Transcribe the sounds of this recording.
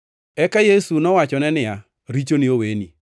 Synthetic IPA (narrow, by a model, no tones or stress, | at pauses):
ɛkajesunɔwat͡ʃɔnɛnɪa | ɾit͡ʃonɪoweni